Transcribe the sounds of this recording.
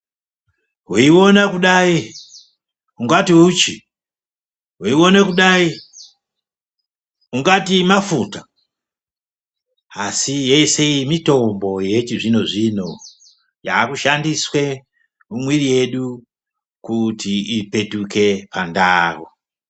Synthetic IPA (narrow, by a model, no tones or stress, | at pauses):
ɦuiwo̞nakuɗai | uŋɡatiut͡ʃi | ɦuiwo̞nekuɗai | uŋɡatimafuta | asije̞se̞imito̞mbo̞je̞t͡ʃiʐino̞ʐino̞ | jaːkuʃandiswe̞ | umwirije̞ɗu | kutiipe̞tuke̞pandaːwo